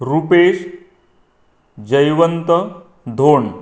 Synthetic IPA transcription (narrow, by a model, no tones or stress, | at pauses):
ɾupeːʂ | d͡ʑəjʋənt̪ə | d̪ʱoːɳ